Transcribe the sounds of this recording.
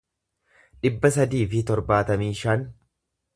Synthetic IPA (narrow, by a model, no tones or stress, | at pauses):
ᶑɪbːɐs̬ɐd̪iːfɪt̪ɔɾbaːt̪ɐmiːʃɐn